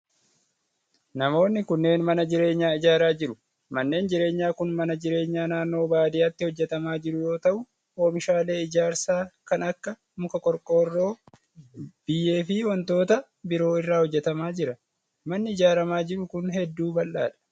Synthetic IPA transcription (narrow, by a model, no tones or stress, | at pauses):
nɐmo̞ːnːɪkʊnːe̞ːnmɐnɐd͡ʒɪɾe̞ːɲːaːɪd͡ʒaːɾaːd͡ʒɪɾʊ | mɐnːe̞ːnd͡ʒɪɾe̞ːɲːaːkʊnmɐnɐd͡ʒɪɾe̞ːɲːaːnaːnːo̞ːbaːd̪ɪjɐt̪ːɪhɔd͡ʒːɛt̪ɐmaːd͡ʒɪɾʊjo̞ːt̪ɐʔʊ | oːmɪʃaːle̞ːɪd͡ʒaːɾsaːkɐnɐkːɐ | mʊkɐkʼɔɾkʼo̞ːrːo̞ː | b̥ɪjːe̞ːfɪwɔnt̪o̞ːt̪ɐ | bɪɾo̞ːɪrːaːhɔd͡ʒːɛt̪ɐmaːd͡ʒɪɾɐ | mɐnːɪɪd͡ʒaːɾɐmaːd͡ʒɪɾʊkʊnɦɛd̪ːuːbɐlːaːᶑɐ̥